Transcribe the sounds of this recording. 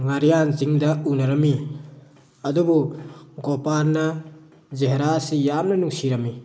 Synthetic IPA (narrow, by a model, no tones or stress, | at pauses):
ŋaɾijanziŋdɐunɐɾɐmi | ɐdubuɡopaɾnɐ | zeɦeɾaːsijamnɐnuŋsiɾɐmːi